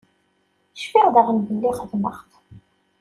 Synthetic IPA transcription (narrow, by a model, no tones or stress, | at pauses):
əʃfiʁðəʁənvəlːiχəðmə̰χθ